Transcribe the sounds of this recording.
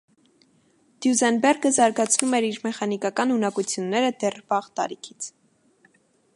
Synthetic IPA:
d̪̥juzɛnbɛrɡəzɑɾɡɑt͡sʰnumɛɾiɾmɛχɑnikɑkɑnunɑkut͡sʰjunːɛɾəd̪ɛrbɑʁt̪ɑ̰ɾikʰi̥t͡sʰ

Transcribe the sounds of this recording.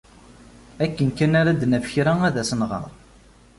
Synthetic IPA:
ækːənkːænaɾæd̪næfəçɾææðæsənʁə̰ɾˤ

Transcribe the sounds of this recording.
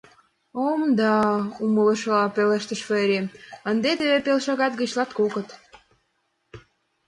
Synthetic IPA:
omd̪ɑumələ̆ʃɤlɑpeleʃt̪ə̆ʃfeɾʲeənd̪et̪eβepelʃɑɣɑt̪̚ɡə̆t͡ɕlɑt̪kokə̆t̪

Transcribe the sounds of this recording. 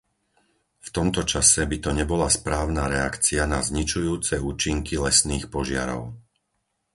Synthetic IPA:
ft̪ɔmt̪ɔt͡ʃasɛbit̪ɔɲɛbɔlaspɾaːʊnaɾɛakt͡sianazɲit͡ʃujuːt͡sɛuːt͡ʃiŋkilɛsniːxpɔʒɪa̰ɾɔ̰ʊ

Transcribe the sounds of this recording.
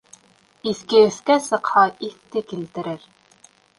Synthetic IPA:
iθkɘɵ̆θkæsɤ̆qhɑiθt̪ɘkilt̪ɘ̆ɾɘɾ

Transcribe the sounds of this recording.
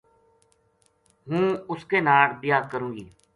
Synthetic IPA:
ɦũːʊskeːnaːɽbɪjaːkəɾũːɡiː

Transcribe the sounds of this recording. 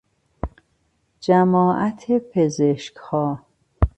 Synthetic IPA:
d͡ʒæmɒːʔæt̪ʰepʰezeʃkhɒː

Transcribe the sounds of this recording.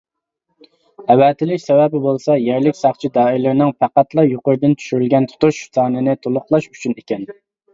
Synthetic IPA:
ɛwɛt̪ʰɪlɪʃsɛwɛbɪbolˠsɑjɛɾlɪkʲsɑχt͡ʃʰid̪ɑːɪɾlɪɾnɪŋfæqæt̪lˠɑjoqʊɾd̪ɪnt͡ʃ̪ʰy̥ʃyɾylɡʲɛnt̪ʰu̥t̪uʃsɑːnɨnɪt̪ʰolˠʊχlˠɑʃyt͡ʃʰynekʲɛn

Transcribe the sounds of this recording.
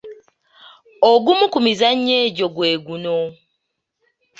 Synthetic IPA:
oɡumukumizaɲːeːɟo̞ɡwe̞ːɡuno

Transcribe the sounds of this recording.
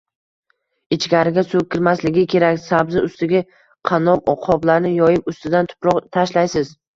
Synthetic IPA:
ɪt͡ʃɡʲaɾɪɡʲasɵkʲʰɪɾmaslɪɡʲɪkʲʰe̞ɾakʲsabzɪʊst̪ɪɡʲa | qʰɑnɒpɒqʰɒblaɾnɪjɒjɪpʊst̪ɪd̪ant̪ʰʊ̥pɾɒqt̪ʰaʃlajsɪz̥

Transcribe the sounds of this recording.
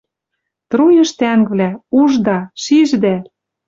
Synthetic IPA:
t̪ɾujɤ̆ʃt̪æŋβlæuʒd̪ɑʃiʒd̪æ

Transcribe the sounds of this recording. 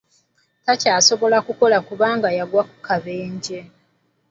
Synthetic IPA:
tacaːso̞βo̞lakuko̞lakuβaːŋɡajaɡwaku̥kaβeːɲɟe

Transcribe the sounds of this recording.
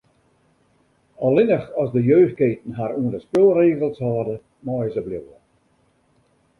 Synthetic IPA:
ɔlɪnəχɔsdəjøːxkeːtən̩ɦaɾuəndəspɪlˠreːɣəlˠshɑːdə | mɔjzəblɪwə

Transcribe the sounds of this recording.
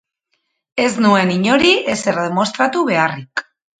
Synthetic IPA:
e̞znue̞niɲo̞ɾiʔe̞se̞ɾðe̞mo̞st̪ɾat̪uβe̞arik

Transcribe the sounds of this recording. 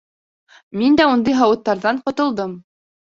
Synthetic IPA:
mind̪æund̪ɤjɦɑwɤ̆t̪ːɑɾðɑɴqŏt̪ŏlˠd̪ɤm

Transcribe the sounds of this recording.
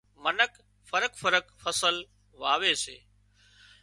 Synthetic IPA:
mənək | fəɾəkfəɾəkfəsəl | ʋaːʋeːsḛː

